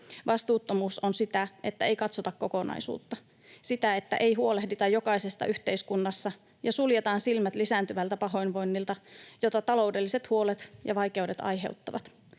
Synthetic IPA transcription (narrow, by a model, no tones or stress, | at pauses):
ʋɑst̪uːt̪ːomuːsonsit̪æʔe̞t̪ːæe̞jkɑt̪sot̪ɑkkːo̞ko̞nɑ̰isṵːt̪ːɑ | sit̪æe̞t̪ːæ̰ʔe̞jɦuo̞lehdit̪ɑjjo̞kɑisest̪ɑ̰ʔyht̪e̞iskunːɑsːɑ | jɑsuljet̪ɑːnsilmæt̪lisæːnt̪yʋælt̪æpɑɦo̞inʋo̞nːilt̪ɑjo̞t̪ɑt̪ɑlo̞wde̞lːise̞t̪huo̞let̪jɑʋɑjke̞ude̞t̪ɑ̰jɦe̞̰ut̪ːɑʋɑ̰t̪